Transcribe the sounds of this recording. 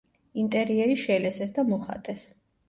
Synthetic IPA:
int̪ʼɛɾiɛɾiʃɛlɛsɛsd̪amɔχa̰t̪ʼɛs

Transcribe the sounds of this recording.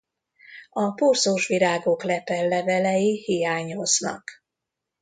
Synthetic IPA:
ɒporsoːʃʋiɾaːɡoklɛpɛlːɛvɛlɛjihijaːɲoznɒ̰k

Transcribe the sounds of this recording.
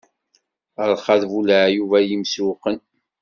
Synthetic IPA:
əɾˤχɑðvuləʕjuvæjimsuqən

